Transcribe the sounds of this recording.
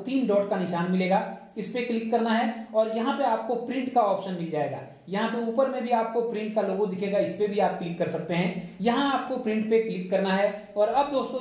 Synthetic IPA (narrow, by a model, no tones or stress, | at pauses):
t̪iːnɖɔːʈkanɪʃaːnmɪleːɡaː | ɪspeklɪkːɐɾnaɦɛɔːɾjɐɦãpeaːp̚kopɾɪ̃ɳʈkaɔːpʃənmɪld͡ʒaːḛːɡa̰ː | jɐɦãpeuːpəɾmẽbʱiaːp̚kopɾɪ̃ɳʈ̚kaloːɡõd̪ɪkʰeːɡaɪspebʱiaːp̚klɪkːɐɾsɐk̚t̪eɦɛ̃ːjɐɦãaːp̚kopɾɪ̃ɳʈpeklɪkːɐɾnaɦɛ | ɔːɾɐb̚d̪oːst̪õ